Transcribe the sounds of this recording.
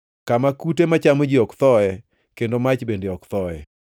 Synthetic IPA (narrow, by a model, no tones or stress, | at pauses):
kamakutemat͡ʃamod͡ʒiɔkt̪ɔɛ | kendomat͡ʃbendeɔkt̪ɔɛ